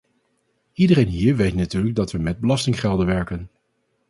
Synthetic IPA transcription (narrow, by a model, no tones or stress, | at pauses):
idərejnɦiːɹʋejtnatyːɹləɡ̚dɑtʋəmɛd̚bəlɑstɪŋχɛlˠdənʋɛɹkən